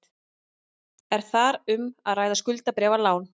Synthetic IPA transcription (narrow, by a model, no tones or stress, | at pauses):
ɛɾ̥θaɾʏmaðraːjðaskʏlt̪apɾɛːvalaːwn